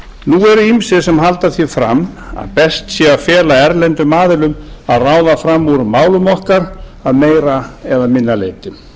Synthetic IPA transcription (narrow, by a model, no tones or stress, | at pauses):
nuɛɾʏimsɪsɛmɦalt̪aθifɾa̰ma̰ðpɛst̪sjɛawfjɛːlaɛɾlɛnt̪ʏmaːðɪlʏmaðraːwðafɾamːuɾmaːwlʏmɔhkaɾaðmeːjɾaɛðamɪnːalḛːjt̪ɪ